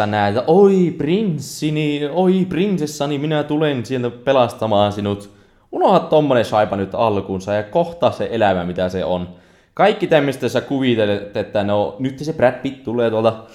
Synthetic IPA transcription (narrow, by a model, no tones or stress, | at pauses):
ɑnæˑt̪ːæʔoiprinsːinioiprinsesːɑniminæt̪ulensielt̪æpelɑst̪ɑmɑːnsinut̪ | unohɑt̪t̪omːonesɑipɑnyt̪ːɑlkunsɑjɑkoht̪ɑːsseʔelæʋæmit̪æsḛon | kɑikːit̪æmːøst̪ːesːækuʋit̪elet̪ːet̪ːænoonyt̪ːesepræpːit̪t̪ulːˑeːt̪uolt̪ɑ